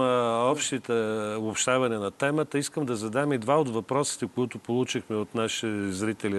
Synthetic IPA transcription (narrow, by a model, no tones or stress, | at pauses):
ɔpʃt̪it̪ɛopʃt̪avɐninɐt̪ɛmət̪əiskəmd̪ɐzɐd̪amid̪vaod̪vɐpɾɔsi̥t̪ɛkoʊit̪ʊpolˠut͡ʃixmɛot̪naʃizɾit̪ɛli